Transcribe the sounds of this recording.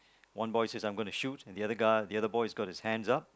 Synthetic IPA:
wʌ̃nbɔɪsezãɪ̃mɡonuʃutnðiʌðəɡaɪðiʌðəbɔɪzɡɔt̚hɪz̥hæ̃ndzʌp̚

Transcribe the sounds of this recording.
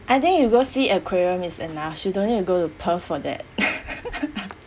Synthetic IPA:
ʔaɪt̪ĩŋkjuɡosiɛkʰweɹə̃misɛnafjudõnik̚tuɡotupʰəfɔdɛ̰t̚

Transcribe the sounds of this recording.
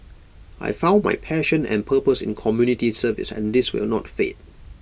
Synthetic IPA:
ʔa̰jfãʊ̃nma̰jpʰɛʃə̃nɛ̰̃npʰəpəsɪ̰̃nkʰɔmjunitisəvɪ̰sɛ̰̃ndɪswɪ̰lnɔtfḛt̚

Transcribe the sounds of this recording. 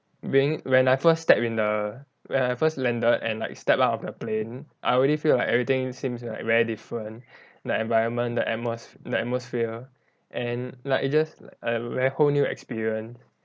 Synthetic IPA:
biĩŋwɛ̃najfəsːtɛpĩndə | wɛ̃najfəslɛ̃ndətɛ̰̃nlaɪkstɛpaʊtɔfdəplẽnʔa̰ɪɔɹɛɾifilaɪkɛvɹit̪ɪ̃ŋsĩmsla̰ɪk̚vɛɹidifɹə̃n | dəɛ̃nvaɪɹə̃nmə̃ndəʔɛt̚mosdəɛt̚mosfiə | ʔɛ̃nlaɪkit̚d͡ʒasla̰kəvɛɹihonjuɛ̰kspiɹiə̃ns

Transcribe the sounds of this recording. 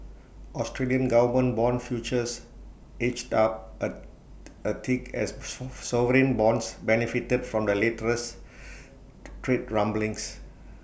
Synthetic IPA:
ɔstɹeliə̃nɡavmə̃nbɔ̃nfjut͡ʃəs | et͡ʃtap̚ə | ətʰikɛ̰ssɔvəɹĩnbɔ̃nsbɛnifitədfɹɔ̃mdəletəɹəs | tɹetɹãmblĩŋs

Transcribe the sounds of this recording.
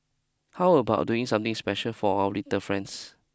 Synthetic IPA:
hawəbaʊt̚duɪ̃ŋsãmt̪ĩŋspɛʃəlfɔawəlitəfɹɛ̃nds

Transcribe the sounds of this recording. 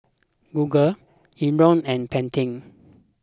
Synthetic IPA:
ɡuɡəl | iɹɔ̃nɛ̃npɛ̃ntʰĩŋ

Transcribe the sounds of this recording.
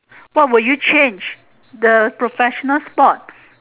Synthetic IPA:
wɔt̚wɪljut͡ʃẽnd͡ʒ | d̪əpɹofɛʃɔnəlspɔt̚

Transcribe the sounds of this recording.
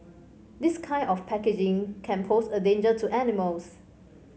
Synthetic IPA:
d̪iskʰãɪ̃nɔfpʰɛked͡ʒɪ̃ŋkʰɛ̃npʰosədẽnd͡ʒətʰuʔɛnɪməls

